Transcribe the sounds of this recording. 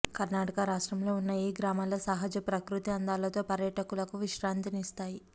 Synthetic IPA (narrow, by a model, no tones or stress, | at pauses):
kɐɾnaːʈɐkɐɾaːʂʈɾɐmlo̞ːunːɐjiɡɾaːmaːloːsaɦɐd͡ʒɐpɾɐkɾut̪iɐnd̪aːlɐt̪o̞ːpɐɾjɐʈɐkulɐkuʋiʃɾaːnt̪inist̪aːji